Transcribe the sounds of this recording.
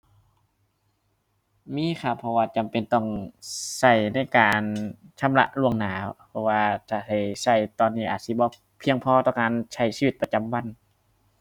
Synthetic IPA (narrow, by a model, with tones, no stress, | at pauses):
miː˧˥˨kʰa˧˩pʰɔ˧waː˧t͡ɕa˨˩mpe˨nt̪ɔ˧˩ŋsa˧˩jna˧˥˩jkaː˨˩nt͡ɕʰa˧˥˨mla̰˧ʔlu˧˩əŋnaː˨˦˧pʰɔ˧waː˧t̪ʰaː˧˩sa˧˩jsa˧˩jt̪ɔː˧˨nːiː˧˩ʔaː˨˩t̪̚si˧˦bɔː˧˦ | pʰi˧əŋpʰɔː˧˦t̪ɔː˧˨kaː˨nsʰa˧˩jsiː˧wi˧t̪̚pa˧t͡ɕa˨mwa˧˨n